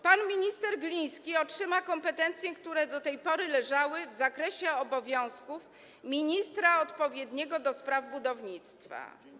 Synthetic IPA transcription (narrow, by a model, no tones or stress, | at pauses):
panmʲiɲist̪ɛɾɡlʲĩj̃skʲiɔtʂɘmakɔmpɛt̪ɛnt̪sʲjɛkt̪uɾɛd̪ɔt̪ɛjpɔɾɘlɛʐawɘvzakɾɛɕɛɔbɔvʲjɔ̃w̃skuf | mʲiɲist̪ɾaɔt̪pɔvʲjɛd̪ɲɛɡɔd̪ɔspɾavbud̪ɔvɲit̪st̪fa̰